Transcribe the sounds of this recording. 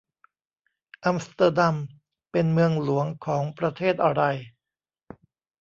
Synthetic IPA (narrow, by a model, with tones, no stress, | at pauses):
ʔa˧mst̪a˧da˧m | pe˧nmɯ˧əŋlu˩˦əŋkʰɔː˩˦ŋpɾa˧t̪ʰeː˥˩t̪̚ʔa˧ɾa˧j